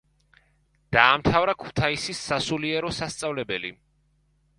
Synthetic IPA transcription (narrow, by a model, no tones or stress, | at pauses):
d̪̥aːmt̪ʰavɾakʰu̥t̪ʰaisisːasuliɛɾɔsast̪sʼavlɛbɛlḭ